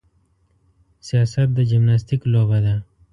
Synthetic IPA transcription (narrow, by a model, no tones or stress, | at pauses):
sijɑsat̪̚d̪əd͡ʒɪmnas̬t̪iklobad̪a